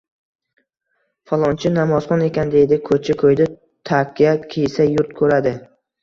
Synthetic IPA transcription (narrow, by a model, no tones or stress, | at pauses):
fɒlˠɒnt͡ʃʰɪnamɒzχɒne̞kʲand̪e̞jd̪ɪkʰɵt͡ʃʰɪkʰɵjd̪ɪ | t̪ʰaqʰijat̪kʲʰejsajʊɾt̪kʰɵɾad̪ɪ